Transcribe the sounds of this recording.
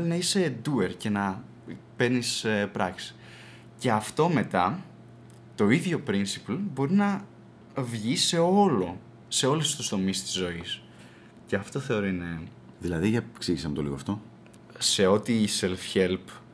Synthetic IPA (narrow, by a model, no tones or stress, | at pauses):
linɐise̞d̪ueɾce̞nɐ | peɾnispɾɐksi̥ | ce̞ɐft̪o̞me̞t̪ɐ | t̪o̞iðʝo̞pɾinsi̥plbo̞ɾinɐ | vʝise̞o̞lo̞ | se̞o̞lust̪ust̪o̞mist̪i̥zo̞is | ceɐft̪o̞θe̞o̞ɾoine | ðilɐðiʝɐ̥ksiʝisɐmot̪olḭɣo̰ft̪o̞ | se̞o̞t̪iːselfçe̞lp